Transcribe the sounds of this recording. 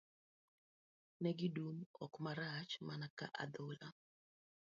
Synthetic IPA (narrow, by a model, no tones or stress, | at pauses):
nɛɡidumɔ̰kmaɾat͡ʃmanaka̰ʔad̪ola̰